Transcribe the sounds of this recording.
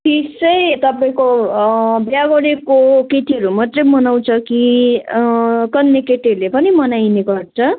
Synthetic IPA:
t̪isʌjt̪ʌpaĩko | bjaɡoɽekoket̪iɦʌɾumʌt̪rʌmʌnaw̃t͡sʰʌki | kʌnːekeʈelepʌnimʌnajneɡʌrt͡sʰʌ

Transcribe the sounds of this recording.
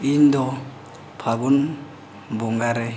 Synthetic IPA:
indɔ | pʰak̬un | mbuŋɡaɾɛ

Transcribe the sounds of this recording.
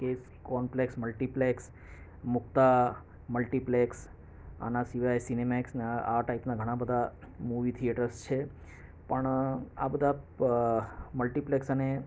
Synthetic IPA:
kes | kɔnpleksməlʈipleks | mʊkt̪a | məlʈipleks | a̰nasiʋajsinemaksneaʈaipnaɡʱəɽ̃ãbəd̪ʱa | muʋit̪ʰieʈəɾst͡ʃʰe | pəɳa̰bəd̪ʱa | məlʈipleksəne

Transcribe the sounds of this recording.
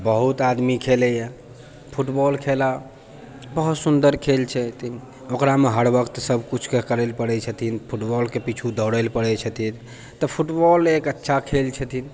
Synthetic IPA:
bəɦut̪ad̪mikʰelɛje | pʰuʈbɔlkʰela | bəɦut̪sund̪əɾkʰelt͡ʃʰɛt̪ʰin | okɾameɦəɽbəkt̪səbʱkut͡ʃʰkekəɾɛlpəɽɛt͡ʃʰət̪ʰinpʰuʈbɔlkepit͡ʃʰud̪ʱəɽəlpəɽɛt͡ʃʰət̪ʰin | t̪əpʰuʈbɔlekətːʃʰakʰelt͡ʃʰət̪ʰin

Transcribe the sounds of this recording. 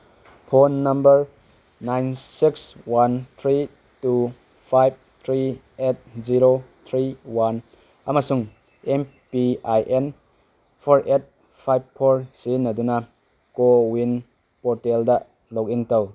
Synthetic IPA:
pʰonːɐmbɐɾ | najnsikswant̪ʰɾi | tu | pʰajb̚t̪ʰɾi | et̚ziɾot̪ʰɾiwan | ɐmɐsuŋ | empiajʔen | pʰoɾʔet̚ | pʰajb̚pʰːoɾsinːɐdunɐ | kowin | poɾteldɐ | lok̚iŋtɐw

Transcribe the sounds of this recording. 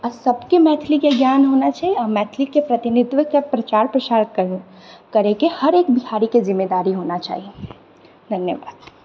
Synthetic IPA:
ɐsɐbkemɛːt̪ʰlikeɡjaːnɦoːnat͡ʃaːɦieɔmɛːt̪ʰlikepɾɐt̪ɪnɪd̪ʋəkepɾɐt͡ʃaːɾpɾɐt͡ʃaːɾkɐɾũ | kɐɾẽkehɐɾeːk̚bɪɦaːɾikezɪmːeːd̪aːɾiɦoːnat͡ʃa̰ːɦie | d̪ʱɐnjəʋa̰ːd̪̥

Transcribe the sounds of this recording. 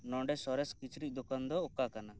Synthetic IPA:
nɔɳɖɛsɔɾɛskit͡ʃɾit̪̚ˀd̪okand̪ɔokakana

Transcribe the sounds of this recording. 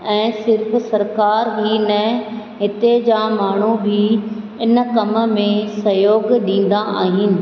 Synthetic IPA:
ɛ̃ːsɪɾf̆sɐɾkaːɾɦiːnɐ | ɦɪt̪ed͡ʑamaːɳ̤ubʱi | ɪnkɐmə̆mẽsɐjoːɡɗĩːn̆d̪aʔa̰ːɦɪnɪ̆

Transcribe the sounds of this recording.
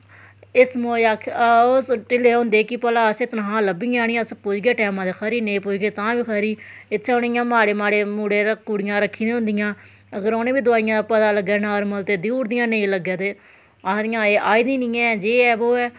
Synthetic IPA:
ɪsmoːaːkʰoːʈɪleːɦʊ̃nd̪eːkɪpəlaːəseːt̪ənɦãːləbĩːaːɽĩjãːspʊd͡ʒɡeːʈɛːmãːd̪eːkʰəɾiːnẽːpʊːd͡ʒɡeːt̪ãːbiːkʰəːɾiːɪt̪ʰːɛʊnejãːmaːɽeːmaːɽeːmuːɽeːɾəkːuːɽɪjãːɾəkʰːiːd̪ẽɦʊ̃nd̪ɪjãː | əɡəɾoːnẽːbiːd̪ʊaːɪjãːpət̪aːləɡɛːnaːɾməlt̪eːd̪iːɾd̪ɪjãːneiləɡãːd̪eː | ad̪ɪjãːeːʔaːiːd̪ĩːnĩːɛ̃ːd͡ʒeːɛːboːɛː

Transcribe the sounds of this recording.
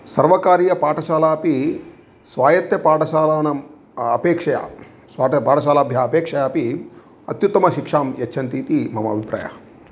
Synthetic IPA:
sɐɾʋɐkaːɾijɐpaːʈɐʃaːlaːpi | sʋaːjɐt̪jɐpaːʈɐʃaːlaːnɐm | ɐpeːkʂɐja̰ː | sʋaːʈɐpaːʈɐʃaːlaːbʱjaːɐpeːkʂɐjaːpi | ɐ̰t̪jut̪ːɐmɐʃikʂaːmjɐt͡ʃːt͡ʃʰɐnt̪iːt̪imɐmɐɐbʱipɾa̰ːjɐ̰

